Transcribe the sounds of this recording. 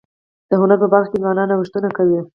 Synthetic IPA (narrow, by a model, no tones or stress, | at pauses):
d̪̥əɦʊnaɾpəbaɾxkʲezwɑnɑnawəʂt̪unakawi